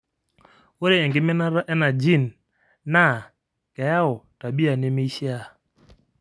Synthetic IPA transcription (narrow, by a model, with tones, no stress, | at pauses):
wo˦ɾe˦ɛ˨ŋɡɪ˦mɛ˦na˦ʔɛ˦na˨d͡ʒi˦˨nː | a˦˨ | kɛ˨ja˦ɔ˨ta˨bi˦a˨nɪ˦mi˦ʃja˦˨